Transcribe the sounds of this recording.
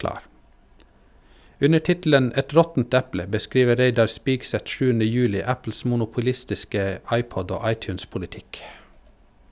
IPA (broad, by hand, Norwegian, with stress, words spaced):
ˈʉnə ˈʈɪtl̩ən ˈɛt ˈɾɔtn̩t ˈɛplə bəˈskɾiːʋə ˈɾeɪdɑɾ ˈspiːɡsɛt ˈʃʉːənə ˈjʉːlɪ ˈæpl̩s mʊnʊpʊˈlɪstɪskə ˈɑɪˌpɔd ˈoː ˈɑɪˌtjʉːnspʊlɪˌtɪk